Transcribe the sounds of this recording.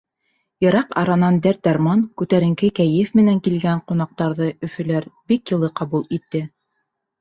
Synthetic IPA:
jɤ̆ɾɑqɑ̰ɾɑnɑnd̪æɾt̪̚d̪ɑɾmɑnkʉt̪æɾɘ̆ŋkɘkæjɘfmɘ̆næŋkilɡæɴqunɑq̚t̪ɑɾðɤɵ̆fɵ̆læɾbikjɤ̆lˠɤqɑβulˠit̪ːɘ

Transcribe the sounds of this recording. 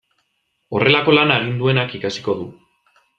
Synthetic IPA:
o̞re̞lako̞lanaːɣind̪ue̞nakikasi̥ko̞ðu

